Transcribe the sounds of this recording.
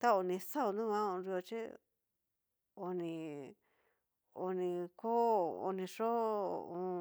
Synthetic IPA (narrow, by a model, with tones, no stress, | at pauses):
t̪a˦o˧nĩ˧sa˦u˧nũ˦βã˦õ˧ɾi˧o˧t͡ʃi˦ | o˧nĩ˧ | o˧nĩ˧ko˦o̰˧nĩ˧ʂo˦ũ˧